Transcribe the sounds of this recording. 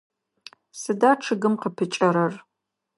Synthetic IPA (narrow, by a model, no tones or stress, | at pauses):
sɨdaːʈ͡ʂʰɨɡɨmqəpʰɨt͡ʃʼɐɾɐr